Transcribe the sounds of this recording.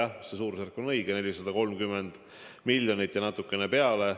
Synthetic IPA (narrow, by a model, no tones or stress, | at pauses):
ɑsesuːɾserkːonɤjɡ̥ene̞lʲisɑd̪̥ɑko̞lmkymːend̪̥ | milʲjonit̪ːˑjɑnɑt̪ːˑukːˑe̞nepe̞ɑle̞